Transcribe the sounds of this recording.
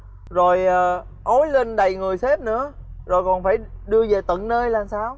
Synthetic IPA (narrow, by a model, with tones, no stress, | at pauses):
zo˨˩jʔəː˨˩ | ʔo˨˦jli˧ŋ̟ɗə˨˩jŋɨ˨˩əjse˦˥p̚nɨ̰˧˥əzo˨˩jkɔ˨˩nfaː˧˩jɗɨ˧əve˨˩t̪ə̰˧˨nnəː˧jlaː˨˩msaː˧w